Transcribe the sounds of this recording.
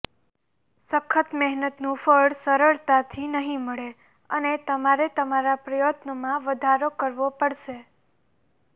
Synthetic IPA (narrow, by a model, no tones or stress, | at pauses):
səkʰːət̪mɛɦnət̪nũfəɭsəɾəɭt̪at̪ʰinəɦĩməɭe | ənet̪əmaɾet̪əmaɾapɾəjot̪nəmãʋəd̪ʱaɾokəɾʋopəɽʃe